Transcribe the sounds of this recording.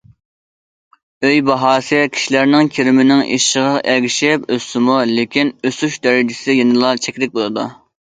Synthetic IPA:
øjbɑɦɑːsɨkʲʰi̥ʃilæɾnɪŋkʲʰiɾɪmɪnɪŋḭʃʃəʁɑʔɛɡʲiʃɪpøst̪ɪmulekʲinøsuʃd̪ɛɾɪd͡ʒɪsɪjenɨlˠɑt͡ʃʰɛkʲlɪk̚ʲbolˠɨd̪u

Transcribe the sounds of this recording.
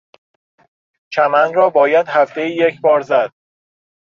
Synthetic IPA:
t͡ʃʰæmænɾɒːbɒːjæd̪̥hæft̪ejijecʰbɒːɾzæd̪̥̚

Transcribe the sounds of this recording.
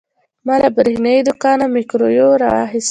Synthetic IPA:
mɑlabɾehnaid̪ʊkɑnamikɾojoɾɑwɑ̰ɦɪs

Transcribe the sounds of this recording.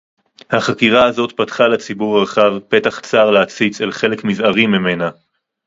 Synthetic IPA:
haχakiʁaazo̞t̪patχalet͡sibuʁaʁχavpe̞taχt͡saʁleat͡sit͡selχe̞le̞kmizaʁimːime̞na

